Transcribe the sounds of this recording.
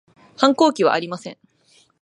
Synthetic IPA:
hãŋko̞ːkʲiβa̰ʔaɾʲimasẽ̞ɴ

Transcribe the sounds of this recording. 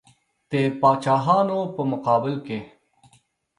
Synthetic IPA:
t̪epaːt͡ʃaːɦaːnopəmʊqɑːbɪlke

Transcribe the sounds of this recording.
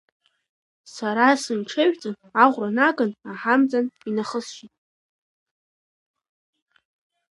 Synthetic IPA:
saɾasɨnʈ͡ʂʰeɥʷᶣt͡sʼɨn | aʁʷranaɡanaħamd͡zʼaninaχəsʃitʼ

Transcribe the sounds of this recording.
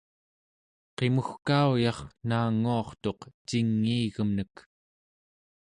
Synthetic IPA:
qe̞muxkaujɑχnaːŋːuɑχt̪o̞qt͡ʃiŋːiːɣəmnək

